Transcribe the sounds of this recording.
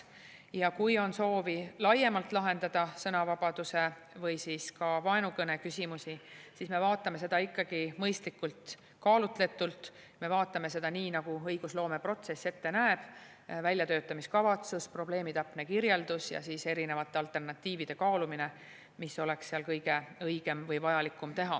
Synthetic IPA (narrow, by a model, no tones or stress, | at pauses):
jɑkujo̞nso̞ːvilɑje̞mɑlt̪ˑlɑɦe̞nd̪̥ɑd̪̥ɑsɤnɑvɑb̥ɑd̪̥use̞ | vɤjsiːskɑvɑenukɤne̞kysʲimusisiːsme̞vɑːt̪ːˑɑme̞se̞d̪̥ɑikːɑɡ̥imɤjst̪likːult̪ | kɑːlut̪le̞t̪ːˑult̪ | me̞vɑːt̪ːˑɑme̞s̬e̞d̪̥ɑniːnɑɡ̥uɤjɡ̥uslo̞ːme̞pro̞t̪se̞sːe̞t̪ːe̞næeb̥ | vælʲjɑt̪ø̞ːt̪ːˑɑmiskɑvɑt̪suspro̞b̥le̞ːmit̪ɑpːnekiɾje̞ld̪usjɑ̰siːse̞ɾine̞vɑt̪ːˑe̞ɑlt̪ˑe̞rnɑt̪ːˑiːvid̪̥e̞kɑːlumine | miso̞le̞ksseɑlkɤjɡ̥e̞ɤjɡ̥e̞mvɤjvɑjɑlikˑːumt̪e̞ɦɑ